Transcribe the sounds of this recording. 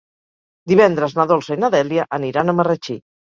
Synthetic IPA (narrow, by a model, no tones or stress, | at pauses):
d̪iβɛnd̪ɾəznaðolˠsəinaðɛljaʔəniɾanəmərət͡ʃi